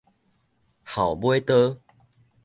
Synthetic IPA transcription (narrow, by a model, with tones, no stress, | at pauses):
ha˨˩wbwe˦t̪ə˦